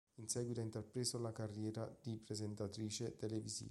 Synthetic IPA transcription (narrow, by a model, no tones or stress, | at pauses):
insɛːɡwit̪aint̪erpɾesolakarːjɛːɾad̪̥ipɾezent̪at̪ɾiːt͡ʃet̪elevizḭ